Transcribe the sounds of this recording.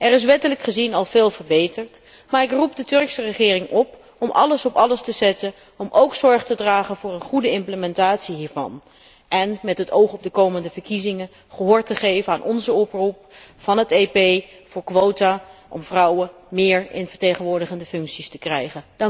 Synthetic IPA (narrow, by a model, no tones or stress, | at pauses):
ʔɛrɪs̬ʋɛtələkχəzinɑlˠv̥ɪːlˠvəɹbejtəɹt | maːɹɪkrupdətɵɹksərəχɪːrɪŋɔp | ɔmʔɑ̰ləsɔpɑləstəzɛtən | ɔmʔowksɔɹχtədraːχənvʊːɹənχudəɪmpləmɛntaːtsiɦiːɹvɑ̰n | ʔɛnmɛtɦətowχɔb̚dəkowməndəvəɹkizɪŋən | χəɦʊːɹtəχejvənaːnʔɔnzəɔprup̚fɑnətepej | vʊːɹkʋowtaːʔɔ̰mvrɑwə | mɪːɹɪ̰nvəɹtejχənʋʊːɹdəχəndəfɵŋksistəkrɛjχən